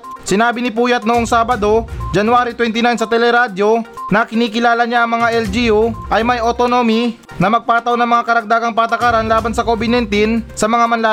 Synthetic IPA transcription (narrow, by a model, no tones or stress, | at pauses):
sɪnaːbɪnɪpuːjɐt̪̚noʔo̞ŋsaːbɐd̪o̞d͡ʒɐnʊaːɾit̪wɛnt̪ɪnajnsɐt̪ɛlɛɾaːd̪jo̞nɐkɪniːkɪlaːlɐɲaʔɐŋmɐŋaʔɛld͡ʒiuʔɐjmɐjʔot̪onomi | nɐmɐɡ̚paːt̪ɐwnɐŋmɐŋakɐɾɐɡ̚d̪aːɡɐŋpat̪ɐkaɾanlaːbɐnsɐkobɪd̪nɛnt̪insɐmɐŋamɐnlaː